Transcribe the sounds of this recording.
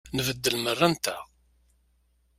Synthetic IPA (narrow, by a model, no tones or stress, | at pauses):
nəvəd̪ːəlmərːænt̪æ